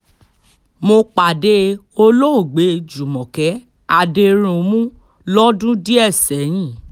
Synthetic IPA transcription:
mo˧k͡pa˨de˦˧o˧lo˦o˦˨ɡ͡be˨˦˧d͡ʒu˨mɔ̃˨kɛ˨˦ | a˦˨de˧ɾ̃ũ˨˧mũ˦ | lɔ˦dũ˦di˦ɛ˦˨sɛ˨˦j̃ĩ˦˨

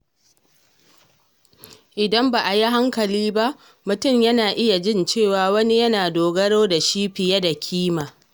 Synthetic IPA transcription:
ʔɪ˨dɐ˦mba˨ʔa˨ja˦ɦa˦ŋkɐ˨liː˦ba˦ʔ | mʊ˨tʊ˦˨mjɐ˦naː˨ʔɪ˦ja˨d͡ʒɪ˦nt͡ʃeː˦˨waː˨wɐ˦ni˦jɐ˦naː˨doː˨ɡɐ˦ɽoː˦da˨ʃiː˦ɸɪ˨jɐ˦da˨kʲʰiː˦maː˨

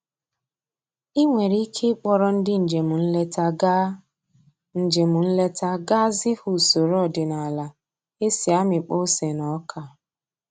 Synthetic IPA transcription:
i˦ŋʷe˨ɾi˦kʰe˦k͡pɔ˦ɾɔ˦n̩˦dɪ˦n̩˨d͡ʒe˨mu˨n̩˦le˦ta˦ | n̩˨d͡ʒe˨mu˨n̩˦le˦ta˦ɡa˦zɪ˦hu˨so˨ɾɔ˦˨dɪ˨na˨la˨ | e˦si˨a˦mɪ˨k͡po˦se˨nɔ˨˦kʰa˨

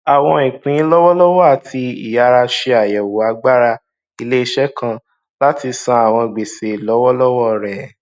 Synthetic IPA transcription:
a˨w̃ɔ̃˧ĩ˨k͡pĩ˨˦lɔ˦wɔ˦lɔ˦wɔ˦a˨tʰi˧ḭ˨ja˨˧˦ɾa˧ʃe˧a˨jɛ˨wo˨a˨˦ɡ͡ba˦ɾa˧ | i˦˧le˦i˧ʃɛ˦kʰã˧ | la˦ti˧sã˧a˨w̃ɔ̃˧˨ɡ͡be˨se˨lɔ˨˦wɔ˦lɔ˦wɔ˦˨ɾɛ˨

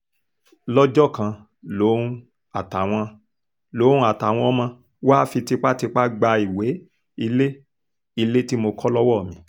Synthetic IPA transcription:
lɔ˦d͡ʒɔ˦˨kã˧ | lo˨˦ũ˧˦ | a˨ta˨w̃ɔ̃˧ | lo˨˦ũ˦a˦˨ta˨w̃ɔ̃˧ɔ˦mã˧ | wa˦fi˧ti˧k͡pa˦ti˧k͡pa˦ɡ͡ba˧i˨we˨˦ | i˧le˦ | i˧le˦ti˦mo˧kɔ˦lɔ˦wɔ˦˨mĩ˧˦

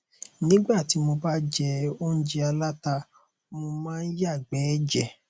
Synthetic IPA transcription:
nĩ˨˦ɡ͡ba˦˨ti˨˦mo˧ba˦d͡ʒɛ˧o˦n̩˦d͡ʒi˧a˧la˦ta˧ | mo˧mãː˦˧˦ja˦˨ɡ͡bɛ˨˦d͡ʒɛ˦˨

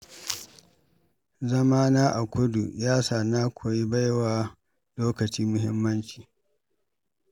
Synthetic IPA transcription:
zɐ˦maː˦naː˦ʔa˨kʷʊ˦du˨jaː˦saː˨naː˦kʷoː˨ji˦ba˦jwaː˨ | loː˦kɐ˨t͡ʃiː˦mʊ˦hɪ˦mːɐ˦nt͡ʃi̥ː˨

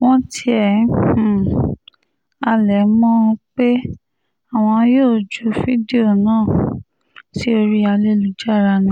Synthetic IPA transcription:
w̃ɔ̃˦tʰi˧ɛ̃˨˦˨ | a˧lɛ˨˦mɔ̃˦˧k͡pe˦ | a˦˨w̃ɔ̃˧˦joː˦˨d͡ʒu˨˦fi˦di˦o˦˨nãː˦˨ | si˦o˧ɾi˦a˧le˦˨lu˧˦d͡ʒa˦˨ɾa˧nĩ˧˦

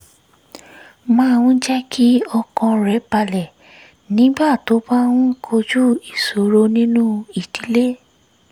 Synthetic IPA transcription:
mã˦˧w̃ũ˦d͡ʒɛ˦ki˦ɔ˧kɔ̃˧ɾɛ˨˦ba˧lɛ˨ | nĩ˨˦ba˦˨to˨˦ba˦w̃ũ˦kʰo˧d͡ʒu˦i˨so˨ɾo˧˦nĩ˦nũ˦i˨ti˨˦le˦

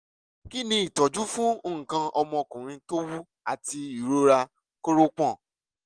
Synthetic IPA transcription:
ki˦nĩ˧i˨tɔ˨d͡ʒu˦fũ˦o˧ŋ̩̃˨kã˧ʔɔ˧mɔ̃˧kũ˨ɾ̃ĩ˧to˦wu˦ | a˨ti˧i˨ɾo˦ɾa˧ | ko˦ɾo˦k͡pɔ̃˦˨

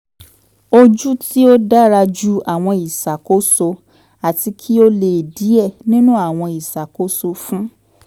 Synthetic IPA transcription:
o˧d͡ʒu˦ti˦o˦da˦ɾa˧d͡ʒu˦a˨w̃ɔ̃˧i˨sa˨ko˦so˧ | a˨ti˧kʰi˦o˦le˨di˨˦ɛ˦˨nĩ˦nũ˦a˦˨w̃ɔ̃˧i˨sa˨ko˨˦so˧fũ˦

